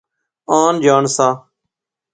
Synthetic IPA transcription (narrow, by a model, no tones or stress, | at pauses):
aːnd͡ʒaːɳsãː